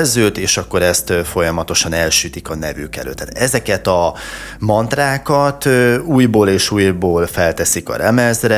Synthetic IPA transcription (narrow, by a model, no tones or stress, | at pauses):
lzøːt̪eːʃɒkːo̞ɾɛst̪fo̞jɒmɒt̪o̞ʃɒnɛlʃyt̪ikɒnɛvykɛ̰lø̰ːt̪ːaːt̪ɛzɛkɛt̪ɒ | mɒnt̪raːkɒt̪øuːjboːleːʃuːjboːlfɛlt̪ɛsikɒ̰ɾɛmɛzrɛ